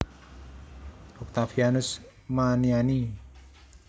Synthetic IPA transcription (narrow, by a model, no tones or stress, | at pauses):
ʔɔk̚t̪afianʊs | maniani